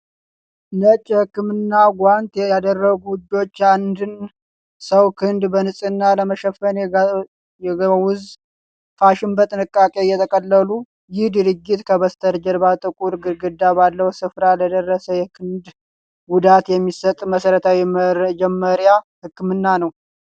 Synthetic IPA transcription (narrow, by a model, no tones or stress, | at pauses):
lət͡ʃʼːhɨkːɨmɨnːaɡʷant̪jad̪ərːəɡubo̞t͡ʃːand̪ɨn | səwkʰɨnd̪bənɨsʼɨnːaləməʃɛfːən | ɛwʊz | faʃɪnbət̪ʼɨnɨkʼːakʼejɛt̪ʰəkʼəlːəlu | jɪhd̪ɨɾɨɡːɪt̪kʰəβəst̪ʰəɾd͡ʒɛɾbat̪ʼɨkʼuɾɡɨɾɡɨd̪ːabalːəwsɨfɾaləd̪ərːəsəjɛkʰɨnd̪ | ɡud̪at̪jɛmːisət̪ʼməsəɾət̪ʰawid͡ʒɛmːəɾjahɨkːɨmɨnːanəw